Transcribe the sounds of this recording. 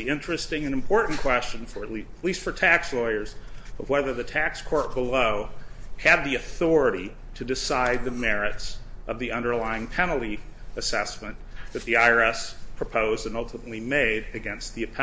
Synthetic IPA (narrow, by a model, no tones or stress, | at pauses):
iɪ̃nt͡ʃɹ̥ɨstɪ̃ŋɨ̃nɨ̃mpʰɔɹʔn̩kʰw̥ɛst͡ʃɨ̃n̩fə˞ɨtˡlitˡlistfə˞tʰækslɔɪə˞zʌvwɛðə˞ðɨtʰækskʰɔɹt̚b̥əloʊɨd̪̚ðiɨθɔɹɨɾi | ɾɨdɨsaɪd̪̚ðɨmɛɹɨtsʌvðiʌ̃ndə˞laɪɪ̃ŋpʰɛnl̩ˠti | ɨsɛsmɨ̃nðɨt̪̚ðiaɪə˞ɛspʰɹ̥ɨpʰoʊzdɨ̃nʌlˠtʰəmətˡlimeɪɾɨɡɛ̃nst̪̚ðiɨpʰɛ